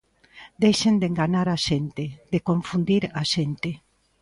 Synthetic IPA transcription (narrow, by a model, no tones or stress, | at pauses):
d̪ejʃend̪eŋɡaɲaɾaʃent̪ed̪ekoɱfund̪iɾaʃent̪e